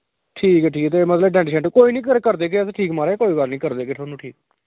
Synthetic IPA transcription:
ʈʰiːkɛːʈʰiːkt̪emət̪ləbɖɛ̃ːɳʈʃɛ̃ːɳʈːkoːiːnĩːkəɾkəɾd̪eːk̬esʈʰiːkmaːɾekoːiːbaːɾnĩːkəɾd̪eːkeːʈʰoːnũːʈʰiːk̚

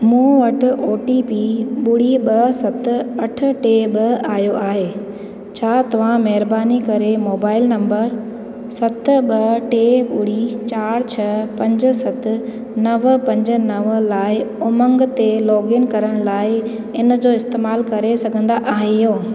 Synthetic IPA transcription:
mũːʋɐʈʊ̆ʔoːʈipiɓʊɽiɓɐsɐt̪̆ɐʈʰʊ̆ʈeːɓɐɪaːɦijoʔaːɦeː | t͡ɕʰaːt̪ɐʋ̤ãmɛɦɪɾbaːnikɐɾemoːbaːɪlnɐ̃mbəɾ | sɐt̪̆ɓɐʈeːɓʊɽ̤it͡ɕaːɾt͡ɕʰɐpɐ̃ɲd͡ʑʊ̆sɐt̪ɪ̆ | nɐʋpɐ̃ɲd͡ʑʊ̆nɐʋlaːɪʊmə̃ŋɡt̪elɔːɡɪnkɐɾəɽ̃laːɪ | ɪn̆d͡ʑoːɪst̪eːmaːlkɐɾesɐɡʱə̃nd̪aʔaːɦejoː

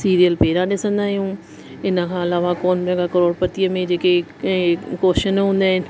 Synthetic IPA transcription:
siːɾijəlpeːɾãɗɪsə̃nd̪aːɦijũ | ɪnə̆kʰãɐlaːʋakoːnbɛ̃ɡakəɾoːɽpɐt̪ijəmẽd͡ʑeːkẽ | koːʃənɦũːn̆d̪aːɦɪnɪ̆

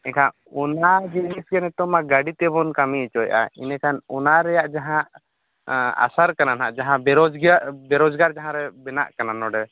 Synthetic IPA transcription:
ɛkʰãʔ | ɔnad͡ʒinisɡɛnɛt̪ɔmaɡaɖit̪ɛbɔnkamiɛt͡ʃɔjʔa̰ḭnɛkʰanɔnaɾɛjaʔd͡ʒaɦãʔ | a̰saɾkananaʔd͡ʒaɦãbɛɾɔd͡ʒɡbɛɾɔd͡ʒɡaɾd͡ʒaɦãɾɛbɛna̰ʔkananɔɖɛ

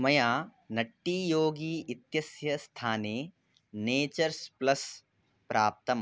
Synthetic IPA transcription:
mɐjaː | nɐʈːiːjoːɡiːɪt̪jɐsjɐst̪ʰaːneː | neːt͡ʃɐɾsplɐs | pɾʔaːp̚t̪ɐm

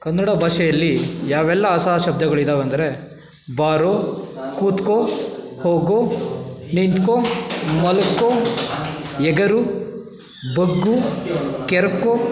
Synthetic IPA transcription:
kɐnːɐɽɐbʱaːʂɐjɐlːijaːʋɛlːɐːsaːʃɐb̚d̪ʱɐɡɐɭid̪aːʋeɐnd̪ɐɾe̞ | baːɾoːkuːt̪ko | hoːɡonint̪komɐlɐkːoː | ɛɡɐɾu | bɐɡːukɛɾɐkːoː

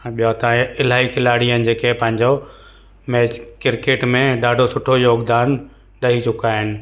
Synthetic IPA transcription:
ɓijat̪ãːɪl̤aːikʰɪlaːɽijənɪ̆d͡ʑeːkepɐ̃ɦɪ̃ɲd͡ʑo | mɛːd͡ʑkɪɾkeːʈmẽɖaːɖʱosʊʈʰojoːɡd̪aːn | ɗɐɦit͡ɕʊkaːɦɪnɪ̆

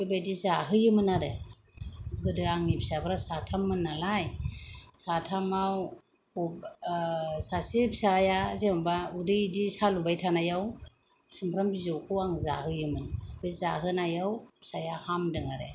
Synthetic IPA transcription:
ɯbajdizaɦɯjɯmɯnaɾe | ɡɯdɯaŋipsabɯɾasatʰamːɯnːalajsatʰamaw | sasipsajazembaudɯjdisalubajtʰanajaw | simpʰɾambizɔwkʰuwaŋza̰hɯjɯmɯnbɯjzaɦɯnajawsajahamdɯŋaɾḛ

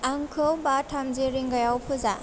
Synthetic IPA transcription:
aŋkʰɯwbatʰamziɾiŋɡajawpʰɯza

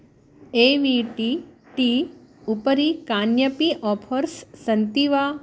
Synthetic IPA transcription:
eʋiʈi | ʈiupəɾikaːnjəpiʔɔpʰəɾsːɐnt̪iʋa

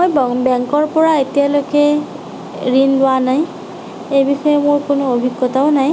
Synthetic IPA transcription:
mojbɔŋbɛŋkɔɹpɔɹaetijalojkɛ | ɹinlʊanaj | ejbixɔjɛmʊɹkʊnʊobʱiɡːɔtaʊnaj

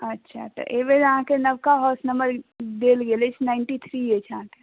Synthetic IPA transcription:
ətːʃʰa̰t̪ə̰ʔeʋed͡ʒəɦãkenəbkaɦɔːsnəmbəɾd̪eːlɡelet͡ʃʰnaɪɳʈit̪ʰɾiet͡ʃʰaɦãke

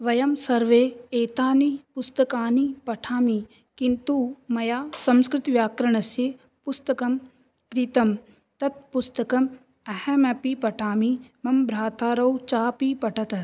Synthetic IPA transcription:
ʋɐjɐmsɐɾʋeːeːt̪aːnipust̪ɐkaːnipɐʈʰaːmi | kint̪uːmɐjaːsɐ̃mskɾɪt̪ʋjaːkɾɐɳ̃ɐsje | pust̪ɐkɐm | k̪ɾit̪ɐm | t̪ɐt̪̚pust̪ɐkɐm | ɐhɐmɐpipɐʈʰaːmimɐmbɾaːt̪aːɾɐwt͡ʃaːpipɐʈʰɐt̪ɐ

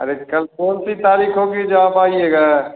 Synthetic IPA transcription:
ɐ̰ɾekɐlkoːnsit̪aːɾiːkɦoɡid͡ʒɐabaːieːɡaː

